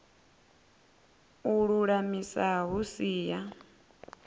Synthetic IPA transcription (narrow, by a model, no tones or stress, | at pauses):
uɺuɺamisaɦusiːja